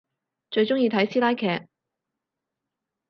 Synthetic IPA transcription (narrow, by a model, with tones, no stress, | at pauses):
t͡ʃɵ˧ɥt͡ʃʊ˥ŋjiː˧t̪ʰɐ˨˥jsiː˥laː˥jkʰɛː˧k̚